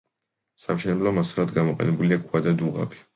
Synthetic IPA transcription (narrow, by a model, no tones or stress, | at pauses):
sa̰mʃɛnɛblɔmaslad̪ɡamɔqʼɛ̰nɛbuliaɡʰʼwad̪ad̪uʁa̰bi̥